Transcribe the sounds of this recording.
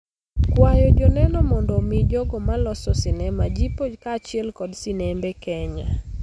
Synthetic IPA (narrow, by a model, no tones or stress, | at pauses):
kwajɔd͡ʒɔnɛnɔmɔndɔmid͡ʒɔɡɔmalɔsɔsɪnɛmad͡ʒipokaːt͡ʃɪɛlkɔdsɪnembekɛɲa